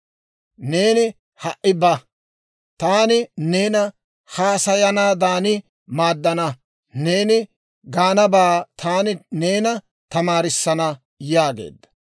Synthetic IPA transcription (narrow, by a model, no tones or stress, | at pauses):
ne̞ːnɪ | hɐʔʔɪbɐ | t̪aːnɪneːnɐ | haːsɐjɐnaːd̪aːnɪ | maːd̪ːɐnɐ | ne̞ːnɪ | ɡaːnɐbaːt̪ʰaːnɪne̞ːnɐ | t̪ɐmaːɾɪsːɐnɐ | jaːɡe̞̰ːd̪ːɐ̥